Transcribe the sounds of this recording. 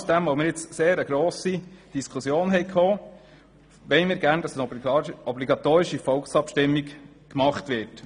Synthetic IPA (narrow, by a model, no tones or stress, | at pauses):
sd̥ɛmʋoʊmɪːɾjɪt͡sseːɾəɡ̥ɾoːsid̥iskʰusjoːnɦɛɪkʰoː | ʋɛɪmɪːɾɡæɾnd̥ɑsənɔbliɡɑt̪oːɾɪʃifɔlksɑpʃtɪmːik | kmɑχtʋɪɾt